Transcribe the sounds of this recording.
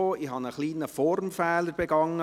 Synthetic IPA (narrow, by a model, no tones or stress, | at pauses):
oːɪhɑnəχliːnəfɔɾmfɛːləɾb̥eɡɑŋːə